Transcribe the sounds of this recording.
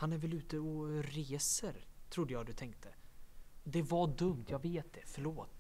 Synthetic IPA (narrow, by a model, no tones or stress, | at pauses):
hanæɾvɛlʉ̟ːt̪əɔɾeːsəɾt̪ʰɾʊd̪əjɑːɡd̪ɵt̪ʰɛŋkt̪ʰə | d̪ɛvaɖɵmt̪ʰjɑːɡveːt̪̚d̪ɛfœɭoːt̪